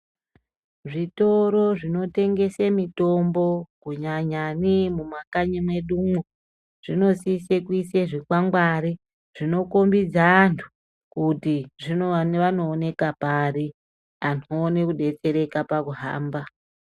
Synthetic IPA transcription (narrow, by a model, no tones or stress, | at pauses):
ʐito̞ɾo̞ʐino̞te̞ŋɡe̞semito̞mbo̞kuɲaɲanimumakaɲimwe̞ɗumo | ʐ̥ino̞sisekwiseʐikwaŋɡwaɾi | ʐ̥ino̞ko̞mbid͡zaːntʰu̥ | kutiʐinoʋano̞ːne̞kapari | anʰoːnekuɗe̞t͡se̞ɾe̞kapakuɦa̰ːmba